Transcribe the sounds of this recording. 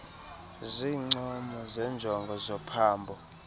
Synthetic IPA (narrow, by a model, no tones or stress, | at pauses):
ziːŋ͡ǀɔmɔzɛnd͡ʒʱɔŋɡʱɔzɔpʰaːmbʱɔ